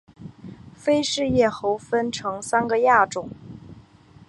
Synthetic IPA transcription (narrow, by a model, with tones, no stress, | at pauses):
fe˥ɪʂɻ̩˥˧jɛ˥˩xo˧˥ʊfə˥nʈ͡ʂʰɤ˧˥ŋsa˥nɡə˨ja˥˩ʈ͡ʂʊ˨˩˦ŋ